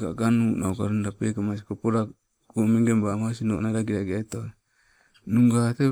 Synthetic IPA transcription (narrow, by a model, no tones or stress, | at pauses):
ɡa̰ɡanunaukaɾundapekamas̬ikopoɾa | ɡomeŋɡembamas̬ino̰ʔnaɾaɡiɾaɡiaito | nuŋɡate